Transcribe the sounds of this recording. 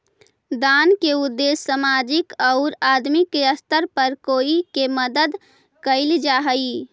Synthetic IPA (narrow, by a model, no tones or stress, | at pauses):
d̪aːnkeʊd̪ːeːsːəmaːd͡ʒɪkɔʊɾaːd̪mikeəst̪əɾpəɾkoːikeməd̪əd̪ | kəɪld͡ʒaːɦəi